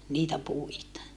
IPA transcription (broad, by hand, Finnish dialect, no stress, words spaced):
niːtæ puitɑ